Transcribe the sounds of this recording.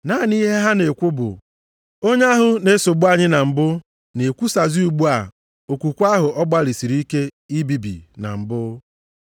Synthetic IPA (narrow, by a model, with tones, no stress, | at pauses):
na˦˨ni˦ɦe˦ɦa˦ne˨kʷʊ˦bʊ̰˨ | o˦ɲe˦a˦ɦʊ˨ne˦so˨ɡ͡bu˦a˦ɲɪ˦na˨m̩˨bʊ˦ | ne˨kʷu˦sa˨zi˦u˨ɡ͡bu˦a˨ | o˨kʷu˨kʷa˦ɦʊ˨ʔɔ˦ɡ͡ba˦li˨si˨ɾi˦ke˦ | i˦bi˨bḭ˨na̰˨m̩˨bʊ˦